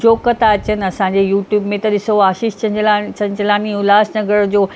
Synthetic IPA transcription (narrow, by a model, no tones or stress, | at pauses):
d͡ʑoːkət̪aɐt͡ɕən̆ɐsãːɲd͡ʑejuːʈjuːbmẽt̪ɐɗɪsoaːʃiːʃt͡ɕɐlat͡ɕɐ̃ɲd͡ʑlaːniʊlaːsnɐɡəɽd͡ʑoː